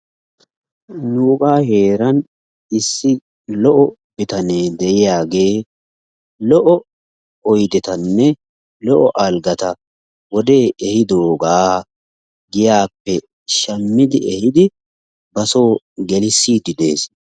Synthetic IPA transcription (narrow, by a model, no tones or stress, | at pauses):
nuːkʼaːhe̞ːɾɐn | ɪsːɪ | lɔʔɔ | bɪt̪ɐneːd̪ɛjɪjaːɡeː | lɔʔɔ | ɔjd̪ɛt̪ɐnːɛ | lɔʔɔʔalɡɐt̪ɐ | wɔd̪e̞ːɛhɪd̪oːɡaː | ɡɪjaːpːɛ | ʃɐmːɪd̪ɪɛhɪd̪ɪ | bɐso̞ː | ɡɛlɪsːiːd̪ɪd̪e̞̰ːs